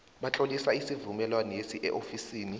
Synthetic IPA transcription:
ɓat͡ɬʼolisaisivumɛlwanɔesiʔɛ̰ʔofisiːni

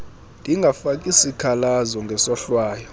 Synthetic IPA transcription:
nd̥ʱiŋɡʱafak̬ʼisikʰalazɔŋɡʱɛsɔɬwaːjɔ

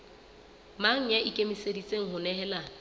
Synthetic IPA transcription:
maŋ̩jaʔikʼemisedit͡sʼeŋ̩hʊnɛɦɛːla

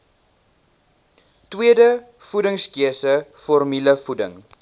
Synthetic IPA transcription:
twiədə | fudəŋskiəsəfɔrmiləfudəŋ

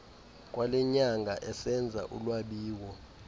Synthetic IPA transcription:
kʼwalɛɲaŋɡʱaʔɛsɛnd͡zʱa̰ʔṵlwaɓiːwɔ

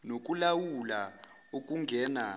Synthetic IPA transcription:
nok̬ʼulawula | ok̬ʼuŋɡʱɛna

